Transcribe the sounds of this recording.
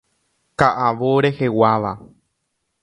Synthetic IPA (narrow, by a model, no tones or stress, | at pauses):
kaʔaʋoɾe̞he̞waʋa